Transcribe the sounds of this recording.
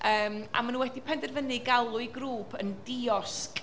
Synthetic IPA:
ʔəːma̰manunwɛdipʰɛndɛrvənɨɡalˠʊɨɡɾuːpʰəndiɔskʼ

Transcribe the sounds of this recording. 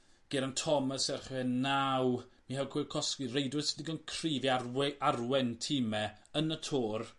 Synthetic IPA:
ɡ̥ɛɾəntʰɔməsɛrχhənːawmihɛwkʰɪːkʰɔskirejdwɨsɪdiɡənkʰriːviaʔarwɛntʰimɛ | ənətʰoːr

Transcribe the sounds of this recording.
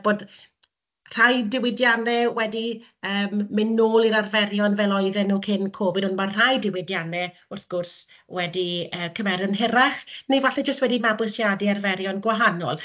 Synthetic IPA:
b̥oːd | r̥ajdɪwɪdjanɛwɛdi | əːmːɪnoːlˠiɾarvɛɾjɔnvɛlˠɔɨðɛnuːkʰɪnkʰoːvɪdʊnmar̥ajdɪwɪdjanɛ | ʊrθɡ̥ʊrs | wɛdiəːkʰəvɛɾənɦɪɾaχnivaɬɛd͡ʒəst̚wɛdimabwɪsjadiarvɛɾjɔnɡwaɦanɔ̰lˠ

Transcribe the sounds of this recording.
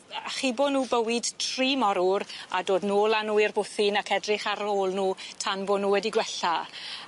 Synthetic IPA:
aχiːboːdnuːbəwɪd̥tʰriːmɔɾʊɾa̰doːdnuːlˠanuːɪrbʊθɪnakʰɛdrɪχaɾoːlˠnuːtʰanbonuːwɛdiɡwɛɬa

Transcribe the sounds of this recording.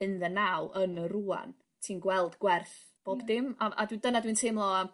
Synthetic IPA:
ɨnðənawʔənəɾua̰n | tʰiːnɡwɛlˠdɡwɛrθ | b̥oːbdɪmaʔa̰dwidənadwintʰemlˠɔa

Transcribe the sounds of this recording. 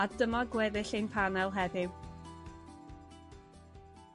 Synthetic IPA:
adəmaɡwɛðɪɬejnpʰanɛlˠɦɛðɪw

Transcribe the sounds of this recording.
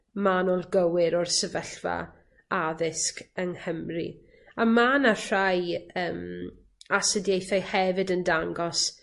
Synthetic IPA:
manɔlˠɡəwɪɾɔrsəvəɬva̰ | aðɪskəŋhəmrḭ | amanar̥ajəːm | asədjejθajhɛvɨdəndaŋɡɔs

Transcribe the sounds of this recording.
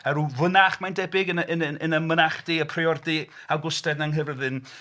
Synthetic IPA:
ɛɾuvənaχmandɛbɪɡənʔənənənəmənaχd̥ɪːəpʰriɔrdɪ | awɡʊstɛdnaŋɦəvəðɨn

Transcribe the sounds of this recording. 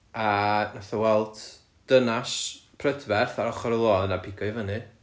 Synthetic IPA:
anaθawɛlˠd̥ | d̥ənaspʰrədvɛrθaɾɔχɔɾəlˠoːnapʰɪɡɔjvənɨ

